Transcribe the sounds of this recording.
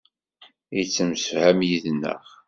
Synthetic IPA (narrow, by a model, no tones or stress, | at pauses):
it͡sːəmsəfhæmjiðnːə̰ʁ